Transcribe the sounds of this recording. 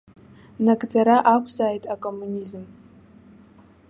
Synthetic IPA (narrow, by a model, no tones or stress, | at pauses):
nakʼd͡zaɾaʔakʷʰzaːjtʼakʼo̞mːunʲizm